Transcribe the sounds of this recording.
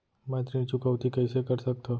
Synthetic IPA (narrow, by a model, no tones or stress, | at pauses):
mɛ̃ːt̪ɾĩt͡ʃʊkəʋt̪ikɛːsekəɾsɐk̚t̪ʰo